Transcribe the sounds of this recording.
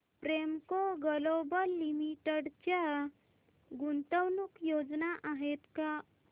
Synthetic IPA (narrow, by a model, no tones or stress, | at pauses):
pɾemkoɡəlobəlːimiʈəɽt͡ɕja | ɡunt̪əwnukjod͡znaʔaɦet̪ka